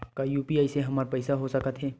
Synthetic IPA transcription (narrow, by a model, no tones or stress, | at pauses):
kajuːpiaːiseɦɐmaːɾpɐːɪsaɦosɐkət̪ɦɛː